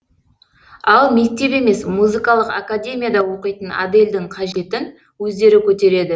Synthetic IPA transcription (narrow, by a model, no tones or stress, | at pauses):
ɑlˠme̞k̚t̪e̞pe̞me̞smuzɨkɑlˠəqakadʲe̞mʲijad̪ɑwo̞qəjt̪əna̰d̪e̞lʲd̪ɪŋqʰɑʒe̞t̪ɪn | wɵzd̪e̞ɾɪkʲʰɵt̪e̞ɾe̞d̪ɪ